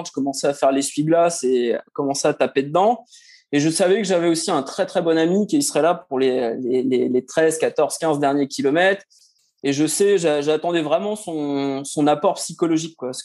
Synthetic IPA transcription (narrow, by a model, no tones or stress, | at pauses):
ʒ̥kɔmɑ̃sɛafɛʁlesɥiɡlasekɔmɑ̃sɛat̪aped̪əd̪ɑ̃ | eʒəsavɛkəʒavɛosiɛ̃t̪χɛt̪χɛbɔnamikʲisəʁɛlapuʁlelelelet̪χɛzkat̪ɔʁz̥kʲɛ̃zd̪ɛʁnjekʲilɔmɛt̪χ | eʒəsɛʒaʒat̪ɑ̃d̪ɛvʁɛmɑ̃sɔ̃sɔ̃napɔʁpsikɔlɔʒikːwas